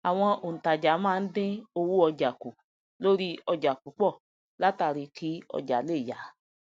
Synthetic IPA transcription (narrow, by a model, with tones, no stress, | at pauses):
a˨w̃ɔ̃˧o˨n̩˨ta˨d͡ʒa˨˦mãː˦˧n̩˦dɪ̃˦o˧wu˦ɔ˧d͡ʒa˨ku˨ | lo˦ɾi˦ɔ˧d͡ʒa˨ku˨˦k͡pɔ˦˨ | la˦ta˧ɾi˧kʰi˨˦ɔ̰˧d͡ʒa˨˦le˦˨ja˨˦